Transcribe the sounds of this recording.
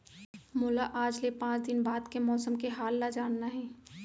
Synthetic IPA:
mʊːlaʔaːd͡ʒlepãːt͡ʃd̪ɪnbaːd̪kemɔːsəmkeɦaːlːad͡ʒaːnnaɦɛː

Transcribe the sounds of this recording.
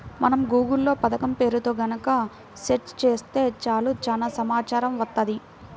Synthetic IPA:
mɐnɐmɡuːɡulːo̞ːpɐd̪ɐkɐmpe̞ːɾut̪o̞ːɡɐnɐkɐ | seʈst͡ʃe̞ːst̪e̞ːt͡ʃaːluːt͡ʃaːnaːsɐmaːt͡ʃaːɾɐmʋɐt̪ːɐd̪i

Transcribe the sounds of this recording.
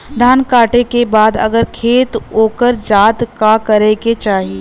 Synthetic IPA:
d̪ʱaːnkaːʈekebaːd̪ɐ̰ɡəɾkʰeːt̪ɦoːkəɾd͡ʒaːt̪kakɐɾeket͡ʃaːɦieː

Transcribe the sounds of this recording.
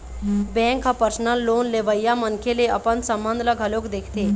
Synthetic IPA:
bɛ̃ŋkɦəpəɾsnəlːoːnleʋəjːamənkʰeleəpənsəmbə̃nd̪ʱləɡʱəlokd̪ekʰt̪e

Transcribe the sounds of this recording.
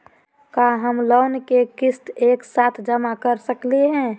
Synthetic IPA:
kaɦəmloːnkekɪst̪eːksaːt̪ʰd͡ʒəmakəɾsəkleɦɛ̃ː

